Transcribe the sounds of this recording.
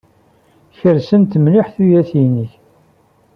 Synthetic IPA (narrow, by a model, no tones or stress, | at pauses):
çəɾsənt̪mlɪħθujæθinəç